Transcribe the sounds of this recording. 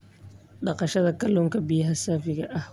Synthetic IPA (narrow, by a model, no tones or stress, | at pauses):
ɗɐqɐʃɐd̪ɐkɐlʊŋkɐbɪjɐɦasaːfɪɡɐʔah